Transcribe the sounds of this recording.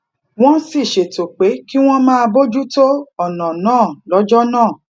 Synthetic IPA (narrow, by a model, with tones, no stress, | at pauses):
w̃ɔ̃˦si˦˨ʃe˨to˨k͡pe˨˦ki˦w̃ɔ̃˦mãː˦˧bo˦d͡ʒu˦to˦ɔ˦˨nã˨nãː˦˨lɔ˨˦d͡ʒɔ˦nãː˦˨